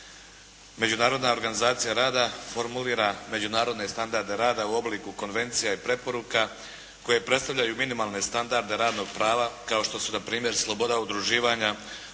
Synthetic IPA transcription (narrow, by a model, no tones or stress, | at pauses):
me̞d͡ʑunaːɾo̞d̪nao̞ɾɡanizaːt̪sijaɾaːd̪afo̞ɾmuliːɾame̞d͡ʑunaːɾo̞d̪ne̞st̪and̪aɾd̪e̞ɾaːd̪auo̞bliːkuko̞nʋe̞nt̪sijaipɾe̞po̞ɾuka | ko̞je̞pɾe̞t̪st̪alʎajuminimalˠne̞st̪and̪aɾd̪e̞ɾaːd̪no̞ɡ̚pɾaːʋakao̞ʃt̪o̞sunapɾiːmje̞ɾslˠo̞bo̞d̪aud̪ɾuʒiːʋaɲa